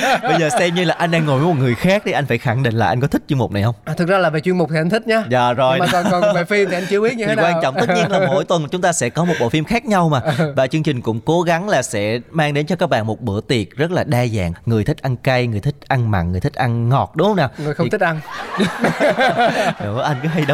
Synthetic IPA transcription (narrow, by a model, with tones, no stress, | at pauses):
ɓə˧zəː˨˩sɛ˧mɲɨ˧laː˨˩ʔa˧jŋ̟ɗaː˧ŋːo˨˩jmo˨˩t̚ŋɨ˨˩əjxaː˦˥k̚ɗe˨˩ʔa˧jŋ̟faː˧˩jxa˧˩ŋɗḭ̈˧˨ŋ̟la̰ː˨ʔa˧jŋk̬ɔ˨˦t̪ʰi˦˥k̚t͡ɕi˧əmʊ˨˩k͡p̚na˨˩jhə˧wŋ͡mt̪ʰɨ˨˩k̚zaː˧laː˨˩veː˨˩t͡ɕwi˧ənmʊ˨˩k͡p̚t̪i˨˩ʔa˧jŋt̪ʰi̟˦˥ɲaː˨˦za̰ː˧˨˩zo˨˩jɔ˨va˨˩fi˧əmt̪ʰi˨˩a˧jŋt͡ɕɨ˨əwi˦˥ɲɨ˧i˨˦˨kwaː˧˩t͡ɕɔ̰˧˨ŋ͡m̪ɨ˦˥ɲi˧ə˧nlaː˨˧mo̰˧˥jt̪wə˨˩n˩t͡ɕʊ˨˦ŋ͡mt̪aː˧sɛ̰˧˥kɔ˨˦mo˨˩t̚ɓo̰˧˨fi˧mxaː˦˥k̚ɲa˧wmaː˨˩vaː˨˩t͡ɕɨ˧əŋt͡ɕï˨˩ŋ̟kʊ̰˧˥ŋ͡mko˨˦ɣa˨˦ŋlaː˨˩sɛ̰˧˥maː˧ŋɗe˨˦nt͡ɕɔ˧kaː˦˥k̚ɓa̰ː˧˨mo˨˩t̚ɓɨ̰˧˩ət̪i˨˩ət̚zə˦˥t̚laː˨˩ɗaː˧za̰ː˧˨ŋŋɨ˨˩əjt̪ʰï˦˥k̟̚ʔa˧nka˧jŋɨ˨˩əjt̪ʰi˦˥k̟̚ʔa˧nma̰˧˨nŋɨ˨˩jt̪ʰi̟˦˥ʔa˧nŋɔ˨˩t̚ɗʊ˨˦ŋ͡mhə˧ŋ͡mnaː˨˩ŋɨ˨˩əjxə˧˨˩t̪ʰi˦˥k̚ʔa˧n˦ | ɗʊ̰˨˦ʔa˧jŋ̟kɔ˨˦ɦa˧jɗ